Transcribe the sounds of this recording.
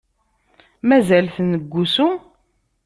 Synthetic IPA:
mæzælθnəɡʷːusu

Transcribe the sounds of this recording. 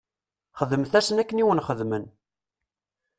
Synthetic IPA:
χəðəmθæsənækːəniwənχəðmən

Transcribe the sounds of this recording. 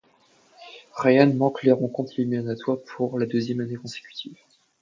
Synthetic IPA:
ʁajanmɑ̃kleʁɑ̃kɔ̃t̪limiɔnat̪waʁpʰuʁlad̪øzjɛmanekɔ̃se̥kʲy̥t̪ʰiːv

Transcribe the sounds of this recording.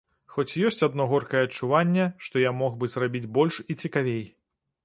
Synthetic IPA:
xɔt͡sʲjɔsʲt͡sʲad̪nɔɣɔrkɐjɛɐt͡ʂːuvanʲːɛʂt̪ɔjamɔɣbɨzrabʲid͡zʲbɔlʲʂit͡sʲikavʲej

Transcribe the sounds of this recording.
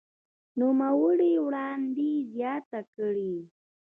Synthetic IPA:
nʊmawəɽewɽɑnd̪izjɑt̪akɽi

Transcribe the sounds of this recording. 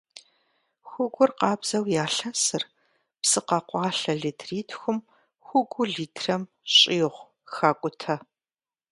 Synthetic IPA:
xʷʊɡʷʊrqɑːbz̥ɐwjaːɬɐsɨr | psɨqɐqʷɑːɬɐɮitʰriːtʰxʷʊm | xʷʊɡʷʊɮiːtʰrɐm | ɕʼiːʁʷ | xaːkʷʼʊtʰɐ

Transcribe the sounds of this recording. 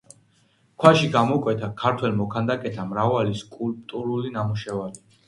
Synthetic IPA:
kʰwaʃiɡamɔkʼwɛt̪ʰakʰaɾt̪ʰwɛlmɔkʰand̪akʼɛt̪ʰamɾavaliskʼulp̚ʼt̪ʼuɾulinamuʃɛvali

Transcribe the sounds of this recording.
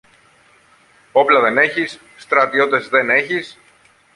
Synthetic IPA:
o̞plɐðe̞ne̞çisːt̪ɾɐt̪io̞t̪e̞zðe̞ne̞çis

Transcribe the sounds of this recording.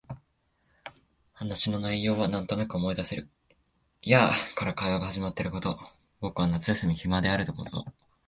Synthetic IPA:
hanaɕino̞naijo̞ːβ̞anãnt̪o̞nakɯo̞mo̞id̪ase̞ɾɯ̟ | jakaɾakaiβaɡahaʑimat̪ːe̞ɾɯ̟ko̞t̪o̞ | bo̞kɯ̟βanat͡sɨjasɨmʲiçimad̪e̞aɾɯ̟t̪o̞ko̞t̪o̰

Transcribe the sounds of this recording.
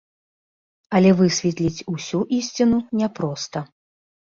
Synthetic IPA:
ɐlʲɛvɨsʲvʲɛt̪lʲit͡sʲusʲuʔisʲt͡sʲinunʲɛpɾɔst̪ɐ

